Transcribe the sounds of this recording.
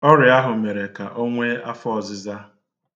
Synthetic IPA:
ɔ˦ɾɪ˨a˦ɦʊ˨me˨ɾe˨ka˨ʔo˦ŋʷe˦a˦fɔ˦ɔ˨zɪ˦za˦

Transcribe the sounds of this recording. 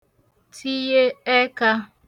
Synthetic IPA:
tʰi˦je˦ɛ˦ka˦

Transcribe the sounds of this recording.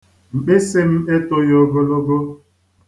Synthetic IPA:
ŋ͡m̩˨k͡pe˦se˦m̩˦e˦to˦jo˨ɡo˦lo˦ɡo˦

